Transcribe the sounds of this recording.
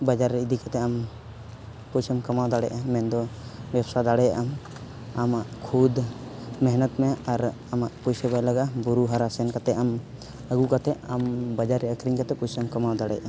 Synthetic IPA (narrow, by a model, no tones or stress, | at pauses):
bad͡ʒaɾːɛid̪ikat̪ɛam | pɔjsəmkamawd̪aɽɛjʔamɛnd̪ɔbɛbsad̪aɽɛjaʔam | amaʔkʰud̪mɛɦnət̪mɛaɾ | amaʔpɔjsəbajlaɡabuɾuɦaɾasɛnkat̪ɛam | əɡukat̪ɛʔambad͡ʒaɾɛəkɾiŋkat̪ɛpɔjsəmkamawd̪aɽɛ̰jʔa